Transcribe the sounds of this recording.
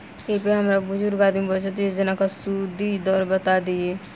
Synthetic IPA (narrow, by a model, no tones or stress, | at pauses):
epeɦəmɾabʊd͡ʒʊɾɡaːd̪ɪmbət͡ʃat̪id͡ʒɪnãkasud̪id̪ɔːɾbət̪aːd̪iɛː